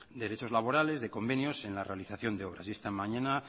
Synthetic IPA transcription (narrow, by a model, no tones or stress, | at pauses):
d̪e̞ɾe̞t͡ʃo̞zlaβo̞ɾale̞zðe̞ko̞mbe̞njo̞se̞nlarealiθaθjo̞nd̪eo̞β̞ɾa̰sje̞st̪amaɲana